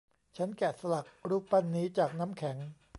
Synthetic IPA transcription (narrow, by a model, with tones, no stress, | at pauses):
t͡ɕʰa˦˥nkɛ˨˩sa˧la˨˩k̚ɾuː˦˥˩pa˧˩nːiː˦˥t͡ɕaː˨˩k̚na˦˥mkʰɛ˩˦ŋ